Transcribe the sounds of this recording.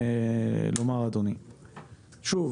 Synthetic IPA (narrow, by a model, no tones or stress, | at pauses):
lomaʁad̪oni | ʃuv